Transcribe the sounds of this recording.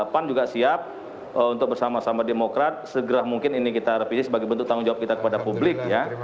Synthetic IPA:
pand͡ʒuɡasiap̚ | əunt̪ʊk̚bərsamasamademokɾat̪̚səɡəɾahmuŋkɪninikit̪arepisɪsəbaɡajbənt̪ʊk̚t̪aʊŋd͡ʒawap̚kit̪akə̥padapublɪk̚ja

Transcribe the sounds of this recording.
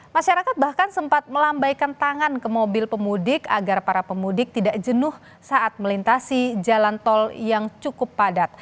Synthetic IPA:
maʃaɾakat̪̚bahkansəmpat̪̚məlambajkant̪aŋankəmobɪlpəmudɪkaɡarpaɾapəmudɪk̚t̪idaʔd͡ʒənʊh | saʔat̪̚məlint̪asid͡ʒalant̪ɔljaŋt͡ʃukʊpːadat̪̚

